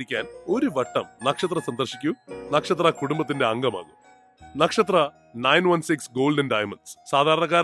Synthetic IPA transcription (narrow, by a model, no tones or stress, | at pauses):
ikʲːaːno̞ɾuʋɐʈːɐ̰mnɐkʂɐt̪rɐsɐnd̪ɐrʂikʲːunɐkʂɐt̪̬rɐkuɽumbɐt̪̬ːinde̞ɐŋɡɐma̰ːnɨ | nɐkʂɐt̪rɐ | nɐjnʋɐnsiksɡoːlɖɐnɖɐːjmɐnɖssaːd̪ʱaːɾɐɳɐɣaːɾ